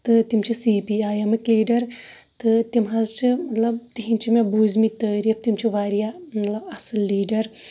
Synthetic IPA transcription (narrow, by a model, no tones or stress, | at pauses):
t̪ɨt̪imt͡ʃʰisiːpiːaːjɐmikliːɖɐɾ | t̪ɨt̪imɦɐzt͡ʃʰimɐt̪lɐb̚t̪iɦint͡ʃʰimẽbuːzmit̪əːɾiɐp̚t̪imt͡ʃʰiʋaːɾijamɐt̪lɐbɐsɨlːiːɖɐɾ